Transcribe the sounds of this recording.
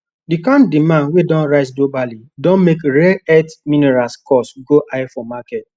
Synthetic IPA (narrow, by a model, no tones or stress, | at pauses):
dikãntdimãnwedɔ̃nɹaɪs̬ɡlobalidɔ̃nmekɹɛɛtmĩnɛɹaskʰɔsɡoʔaɪfɔmakɛt̚